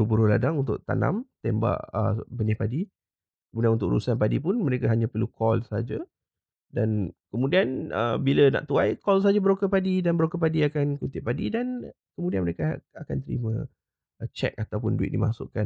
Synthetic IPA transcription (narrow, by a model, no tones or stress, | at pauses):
ubəɾoladaŋunt̪ʊʔ̚t̪a̰na̰mt̪ɛmba̰ʔə̰bənɪpadi | kəmudianunt̪ʊkʔɾṵsanpadipʊnməɾekaɦaɲãpərlukɔlsəɦad͡ʒa | dankəmudianə̰biləna̰ʔt̪uajkɔls̬aɦad͡ʒabəɾokəpadidanbəɾokəpadiakankut̪ɪʔ̚padidan | kəmudianməɾekaakant̪əɾḭmə̰̃ | t͡ʃɛ̰k̚at̪awpʊnduɪ̰t̪ʔ̚dimasʊ̰ʔkan